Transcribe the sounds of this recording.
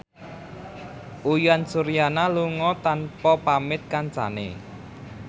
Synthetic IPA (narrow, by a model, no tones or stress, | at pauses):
ʔujansuɾijanaluŋɔt̪anpɔpamɪt̪̚kant͡ʃa̰nḛ